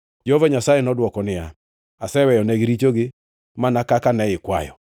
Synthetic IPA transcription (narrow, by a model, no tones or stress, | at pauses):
d͡ʒɔvɛɲasajɛnɔdwɔkɔnɪa̰ | asɛwɛjɔnɛɡɪɾit͡ʃoɡɪ | manakakanɛɪkwa̰jɔ̰